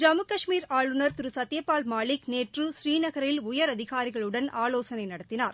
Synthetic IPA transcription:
d͡ʒɐmɯkɐʂmiːɾaːɭɯnɐɾt̪ɪɾɯsɐt̪ːjɐpːaːlmaːɭɪkneːʈrɯsɾiːnɐɣɐɾɪlʊjɐɾɐðɪɣaːɾɪɣɐɭɯɽɐnaːloːsɐnɐɪnɐɽɐt̪ːɪnaːɾ

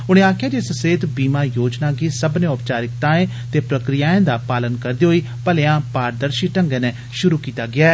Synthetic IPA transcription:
ʊɽ̃ẽːaːkʰɪjaːd͡ʒeːsəseːt̪biːmãːjoːd͡ʒnaːɡiːsəbnẽːʊpt͡ʃaːɾɪkt̪aːẽː | t̪eːpɾəkɾɪjaːẽːd̪aːpaːlənkəɾd̪iːɦoːiː | pəleãːpaːɾd̪əɾʃiːʈəŋɡɛːnɛː | ʃʊɾuːkiːt̪aːɡɪaːɛ

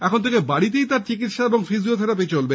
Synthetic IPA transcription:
ɛkʰont̪ʰekebaɽit̪ejt̪aɾt͡ɕik̬it̪ʃaeboŋfiziot̪ʰeɾap̬et͡ɕolbe

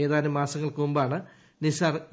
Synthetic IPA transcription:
eːðaːnɐmaːsɐŋːɐɭkɨumbaːɳɨ | nisaːr

